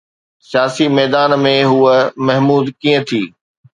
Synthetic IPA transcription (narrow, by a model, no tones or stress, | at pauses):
sɪjaːsimɛːd̪aːnmẽɦuːəmɐɦmuːd̪kĩːə̃t̪ʰiː